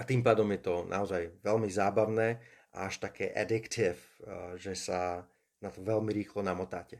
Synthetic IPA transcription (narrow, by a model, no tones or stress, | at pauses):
at̪iːmpaːd̪ɔmjɛt̪ɔnʔa̰ɔzajʋɛlmizaːbaʊnɛː | ʔa̰aʃt̪akʰɛːʔɛd̪ikt̪ʰiɛfʒɛsa | nat̪ɔʋɛlmiɾiːxlɔnamɔt̪aːcɛ